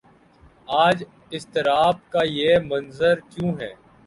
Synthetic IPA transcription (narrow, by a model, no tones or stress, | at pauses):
aːd͡ʒ | ɪst̪ɪɾaːb̚kajemɐ̃nzəɾkjũːɦɛ̰ː